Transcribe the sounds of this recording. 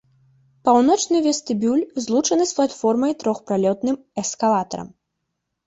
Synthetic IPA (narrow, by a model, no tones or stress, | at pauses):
pawnɔt͡ʂnɨvʲɛst̪ɨbʲulʲzlˠut͡ʂɐnɨsplˠat̪fɔrmɐjt̪ɾɔxpɾalʲɔt̪nɨm | ɛskalˠat̪ɐ̰ɾɐ̰m